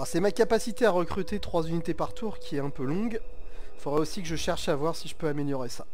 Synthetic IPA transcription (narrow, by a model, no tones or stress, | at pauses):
asɛmakapasit̪eaʁəkχyt̪et̪χwazynit̪epaʁt̪ʰuʁkʲʰiɛɛ̃pølɔ̃ɡ | fod̪ʁɛosikəʒəʃɛʁʃavwaʁsiʒəpøameljɔʁesa